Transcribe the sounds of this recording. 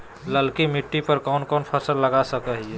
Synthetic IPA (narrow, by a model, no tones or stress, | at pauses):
ləlkimiʈːipəɾkɔnkɔnpʰəsəlːəɡasəkəɦiɛ